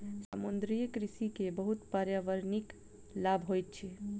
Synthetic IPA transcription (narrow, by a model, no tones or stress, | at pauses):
sə̰mund̪ɾijəkɾisikebəɦut̪paɾjaʋəɾnik | labʱɦojt̪̚t͡ʃʰi